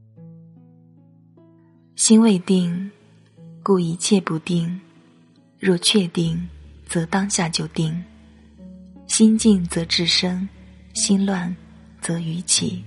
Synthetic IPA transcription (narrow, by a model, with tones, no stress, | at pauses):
ɕi˥nwe˥˧ɪt̪i˥˧ŋ | ku˥˩i˧˥t͡ɕʰjɛ˥˧pu˧˥t̪i˥˧ŋ | ɻwɔ˥˧t͡ɕʰɥɛ˥˧t̪i˥˩ŋt͡sɤ˧˥t̪ɑ˥ŋɕja˥˩t͡ɕjo˥˩ʊt̪i˥˩ŋ | ɕi˥nt͡ɕi˥˩ŋt͡sɤ˧˥ʈ͡ʂɻ̩˥˩ʂɤ˥ŋ | ɕi˥nlwa˥˩n | t͡sɤ˧˥y˧˥t͡ɕʰḭ˨˩˦